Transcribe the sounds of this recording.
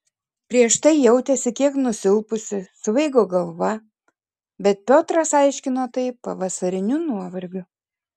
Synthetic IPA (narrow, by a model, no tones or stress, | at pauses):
pʲɾʲiɛʃt̪ɐɪjɛʊt̪ʲɛsʲɪkʲiɛknʊsʲɪlˠpʊsʲɪsʋɐɪɡoːɡɐlˠʋɐ | bʲɛt̪̚pʲoːt̪ɾɐsɐɪʃʲkʲɪnoːt̪ɐɪpɐʋɐsɐɾʲɪnʲʊnuɔʋɐɾʲɡʲʊ